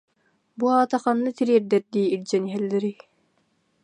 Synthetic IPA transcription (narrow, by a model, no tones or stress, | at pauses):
buaːt̪aχɑnːɯt̪iɾiːɛɾd̪ɛɾd̪iːiɾd͡ʑɛniɦɛlːɛɾi